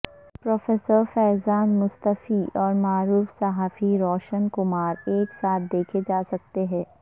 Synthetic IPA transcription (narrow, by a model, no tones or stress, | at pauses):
pɾɔːfɛːsəɾfɛːzaːnmʊst̪əfiɔːɾmaːɾuːfsɐɦaːfiɾɔːʃənkʊmaːɾeːksaːt̪̚ʰd̪eːkʰed͡ʒaːsɐk̚t̪eɦɛ̃ː